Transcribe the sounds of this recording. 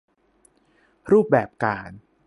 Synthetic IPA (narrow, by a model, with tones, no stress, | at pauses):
ɾuː˥˩p̚bɛː˨˩p̚kaː˧n